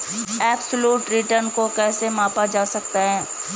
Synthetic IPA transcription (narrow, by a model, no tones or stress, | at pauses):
ɛːbsəluːʈɾɪʈəɾnkokɛːsemãːpad͡ʒaːsɐk̚t̪aɦɛ̃ː